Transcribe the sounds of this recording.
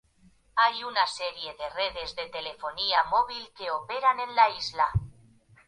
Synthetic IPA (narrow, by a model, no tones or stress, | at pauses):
ajunaseɾje̞ðe̞reðe̞zðe̞t̪e̞le̞fo̞niamoβ̞ilke̞ope̞ɾanẽ̞nlaizla